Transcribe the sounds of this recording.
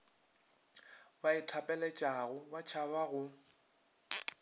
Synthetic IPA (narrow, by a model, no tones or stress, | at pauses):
baɪtʰapʼɛlɛt͡ʃʼaɣʊbat͡ʃʰaβaɣʊ